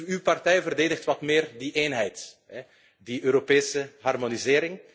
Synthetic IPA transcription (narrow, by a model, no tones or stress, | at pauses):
ywpɑrtɛjvərdeːdəxtʋɑtmɪːrdiʔeːnɦɛjt | ɛ | diʔøːɾopeːsəɦɑrmonizɪːɾɪŋ